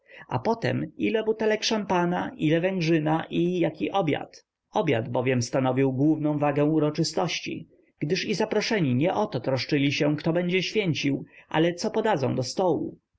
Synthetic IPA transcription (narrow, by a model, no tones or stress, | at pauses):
a̰pɔt̪ɛ̰milɛbut̪ɛlɛkʂampanaʔilɛvɛ̃ŋɡʐɘnaʔijakʲiʔɔbʲja̰t̪ | ɔbʲja̰d̪bɔvʲjɛmst̪anɔvʲiwɡwuvnɔ̃w̃vaɡɛ̃w̃uɾɔt͡ʂɘst̪ɔɕt͡ɕḭ | ɡ̥d̪ɘʂizapɾɔʂɛɲiɲɛʔɔt̪ɔt̪ɾɔʂt͡ʂɘlʲiɕɛkt̪ɔbɛɲd͡ʑɛɕfʲjɛɲt͡ɕiwʔa̰lɛt̪sɔpɔd̪ad̪zɔ̰̃w̃d̪ɔst̪ɔwṵ